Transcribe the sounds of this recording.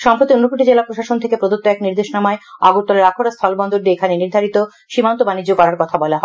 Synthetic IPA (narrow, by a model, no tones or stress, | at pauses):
ʃɔmpɾot̪ionopuʈid͡ʑelapɾoʃaʃont̪ʰekepɾod̪ot̪ːoɛkniɾd̪eʃnamaea̰ɡuɾt̪ːɔleɾakʰoɾast̪ʰɔlbɔnd̪oɾd̪eekʰaneniɾd̪ʱaɾit̪o | ʃimant̪obanid͡ʑːokɔɾaɾkɔt̪ʰabɔlaɦɔe